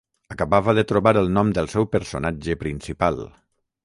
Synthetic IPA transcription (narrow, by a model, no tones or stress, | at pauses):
əkəβaβəðət̪ɾoβaɾəlˠnɔmd̪əlˠsɛwpəɾso̰nad͡ʒəpɾinsipalˠ